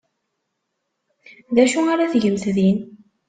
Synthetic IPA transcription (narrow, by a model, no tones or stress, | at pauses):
ðæʃuaɾaθʝəmθðin